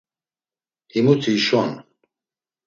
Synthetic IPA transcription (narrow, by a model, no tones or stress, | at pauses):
himut̪ʰiʃɔn